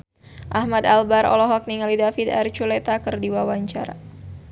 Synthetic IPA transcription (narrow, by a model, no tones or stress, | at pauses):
ʔahmad̪albaɾɔ̰lɔɦɔk̚niŋalidafid̪a̰rt͡ʃulɛt̪akɨrdiwawaɲt͡ʃaɾa̰